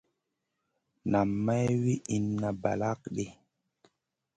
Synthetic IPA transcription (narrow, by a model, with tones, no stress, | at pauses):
na˨mːa˦jwi˦ʔi˨nːa˨ba̰˨la˦kɗe˨